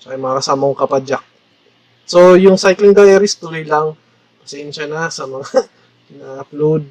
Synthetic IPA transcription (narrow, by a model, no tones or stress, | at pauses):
t͡ʃɐkajmɐŋakɐsaːmoŋkɐpad͡ʒak̚ | sojʊŋsajklɪŋd̪ajɐɾɪst̪ʊlojlɐŋ | pɐsɛnʃanɐsɐmɐŋa | nɐplud̪̚